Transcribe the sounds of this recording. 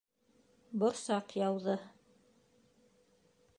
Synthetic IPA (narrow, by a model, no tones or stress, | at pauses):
bŏɾsɑqjɑwðɤ